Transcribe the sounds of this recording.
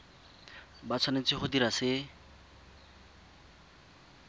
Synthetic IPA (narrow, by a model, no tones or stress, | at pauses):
bat͡sʰanet͡sʰiχod̪iɾasɪ